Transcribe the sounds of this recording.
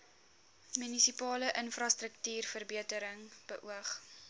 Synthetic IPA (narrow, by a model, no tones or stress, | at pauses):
mynisipɑːləʔənfrɑstɾəktyːrfərbiətəɾəŋb̥əʔuəχ